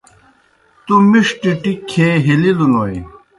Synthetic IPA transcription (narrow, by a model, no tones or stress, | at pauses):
t̪umiʂʈiʈikʰeːɦililuloi